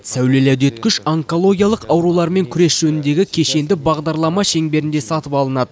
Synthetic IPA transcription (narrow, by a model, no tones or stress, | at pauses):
sæwle̞læwd̪e̞t̪kʲʏʃaŋko̞lˠo̞ɡʲijɑlˠəqɑwɾulˠɑɾme̞ŋkʲʰʏɾe̞sʒ̥ɵnɪnd̪e̞ɡʲɪkʲʰe̞ʃe̞nd̪ɪbɑʁd̪ɑɾlˠɑmɑʃe̞ŋbe̞ɾɪnd̪e̞sɑt̪əpɑlˠənɑd̪ə